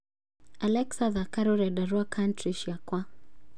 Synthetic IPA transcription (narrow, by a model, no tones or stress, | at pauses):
alɛksaðakaɾuɾɛdaɾuakʰantɾiʃjakwa